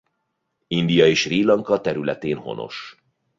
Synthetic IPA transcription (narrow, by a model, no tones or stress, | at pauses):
ind̪ijɒeːʃriːlɒŋkɒt̪ɛɾylɛt̪eːnho̞̰nʔo̞̰ʃ